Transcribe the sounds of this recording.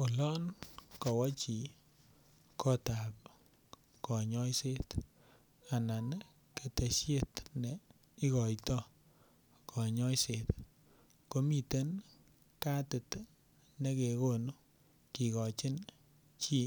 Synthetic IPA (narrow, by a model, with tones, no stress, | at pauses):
o˨lɔ˦nkɔ˨wɔ˦t͡ʃi˨ | kɔ˦ta˨p | kɔ˨ɲɔ˦jse˦t | a˨na˨n | ke˨te˨ʃje˦˨tne˨ | i˦kɔ˨jtɔ˦ | kʰɔ˨ɲɔ˦jse˨t̪ | ko˦mi˨te˦n | ka˦tɪ˨t | ne˦ke˨ko˦˨nu˦ | ki˨kɔ˨t͡ʃɪ˦n | t͡ʃi˦